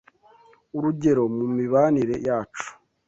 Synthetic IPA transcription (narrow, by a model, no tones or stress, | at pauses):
uɾuɟe̞ɾo̞mumiβaniɾe̞jaːt͡ʃu̥